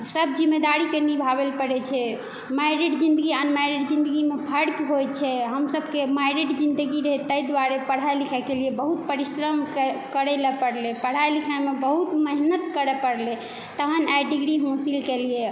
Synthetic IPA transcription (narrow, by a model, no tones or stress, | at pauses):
səbd͡ʒimːed̪aɾikenibʱaβelpəɽɛt͡ʃʰɛ | majɾiɖd͡ʒĩnd̪əɡianmajɾeɖd͡ʒĩnd̪əɡimepʰəɽkɦojt͡ʃʰɛɦəmsəbkemajɾeɖd͡ʒind̪əɡiɾəɦɛt̪əjd̪waɾepəɽ̤ajlikʰakeliebəɦut̪̚pəɾisɾəmkkəɾɛləpəɽlepəɽ̤ajlikʰamebəɦut̪məɦnət̪kəɾɛpəɽle | t̪əɦənajɖiɡɾiɦõsilkelie